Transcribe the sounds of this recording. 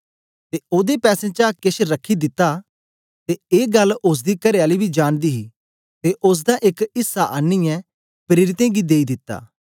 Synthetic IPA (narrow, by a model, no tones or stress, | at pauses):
t̪eːoːd̪epɛːsẽt͡ʃakɪʃɾəkʰːid̪ɪt̪ːaː | t̪eeːɡɐlːʊs̬d̪ikɐɾeaːlibid͡ʒaːnd̪iːɦiː | t̪eʔʊs̬d̪ãʔɪkɪsːaʔaːnːɪjɛ̃ | pɾeːɾɪt̪ẽːɡid̪eːid̪ɪt̪ːa̰ː